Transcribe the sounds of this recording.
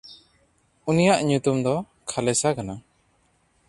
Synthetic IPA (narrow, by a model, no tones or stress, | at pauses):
unijaʔɲut̪umd̪ɔ | kʰalɛsakana